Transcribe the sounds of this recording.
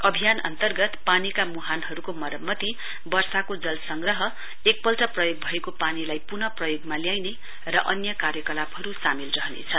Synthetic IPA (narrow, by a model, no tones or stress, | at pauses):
ʌbʱijanʌ̰nt̪ʌrɡʌt̪panikamuɦanɦʌɾukomʌɾʌmːʌt̪i | bʌrsakod͡zʌlsʌŋɡrʌɦʌ | ek̚pʌlʈʌprʌjoɡ̚bʱʌekopanilajpunʌprʌjoɡmaljajne | rʌʔʌnjʌkaɾjʌkʌlabɦʌɾusamilrʌɦnḛt͡sʰʌn